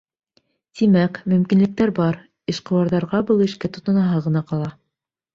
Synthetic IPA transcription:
t̪imækmɵ̆mkinlɘ̆k̚t̪æɾbɑɾ | ĭʃqɤ̆wɑɾðɑɾʁɑbɤlˠɘ̆ʃkæt̪ŏt̪ŏnɑɦɑʁɤ̆nɑqɑlˠɑ

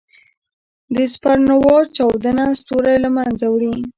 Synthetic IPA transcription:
d̪əspaɾnawɑt͡ʃɑwd̪ənast̪oɾajlamanzawɽi

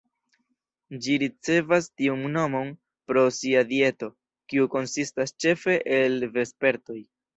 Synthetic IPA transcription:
d͡ʒiɾit͡se̞vastiuŋno̞mo̞n | pɾo̞siadie̞to̞ | kiuko̞nsistast͡ʃe̞fe̞ʔelve̞spe̞ɾto̞j

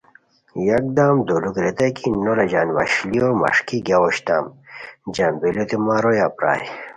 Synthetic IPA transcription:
jɐk̚d̪aːmd̪olukɾet̪ɐkinolɐd͡ʑaːnʋɐ̰ɕliomɐ̰ʂkiɡaoɕt̪a̰ːmd͡ʑambelot̪emaːɾojaːpɾa̰ːj

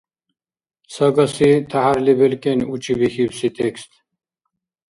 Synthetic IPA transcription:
sɐɡɐsit̪ʰaɦaɾlibelkenut͡ɕʰibixiwsit̪ʰekst̪

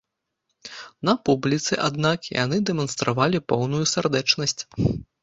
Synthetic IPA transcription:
nɐpublʲit̪sɨʔad̪̚nakja̰nɨd̪ɛmɐnst̪ɾavalʲipɔwnujusʲard̪ɛt͡ʂnɐsʲt͡sʲ

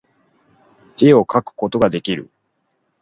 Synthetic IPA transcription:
ɾeo̞kakɯ̟̥ko̞t̪o̞ɡad̪e̞kʲiɾɯ̟̰

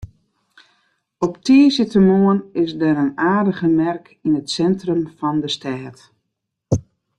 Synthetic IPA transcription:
ɔptiəsətəmoənɪsdɛɾənaːdəɣəmɛrk | inətsɛntrəmfɔndəstɛːt

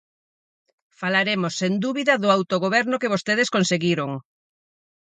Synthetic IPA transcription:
falaɾemosːend̪uβiðɐðʊawt̪oɣoβɛɾnʊkeβ̞ost̪eð̞ɪskonseɣiɾoŋ

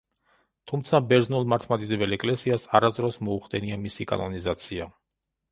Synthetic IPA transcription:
t̪ʰumt̪sʰabɛɾd̪znulˠmaɾt̪ʰmad̪id̪ɛbɛlɛkʼlɛsiasaɾazd̪ɾɔsmɔuχd̪ɛniamisikʼa̰nɔnizat̪sʰia

